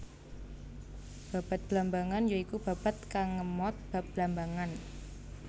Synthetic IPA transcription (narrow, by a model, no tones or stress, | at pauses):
b̥a̤b̥a̤t̪̚b̥lambaŋanjoikub̥a̤b̥a̤t̪̚kaŋːəmɔt̪̚b̥a̤p̚b̥lambaŋan